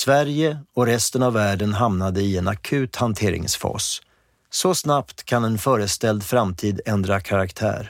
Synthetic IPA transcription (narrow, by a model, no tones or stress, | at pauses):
svæɾjəɔɾɛst̪ənavːæːɖənɦamnad̪əɪɛnakʰʉ̟ːt̪hant̪ʰeːɾɪ̰ŋsfɑ̰ːs | sɔsnapt̪kʰanɛnfœːɾəst̪ɛld̪fɾamt̪ʰiːd̪ɛnd̪ɾakʰaɾakt̪ʰæ̰ːɾ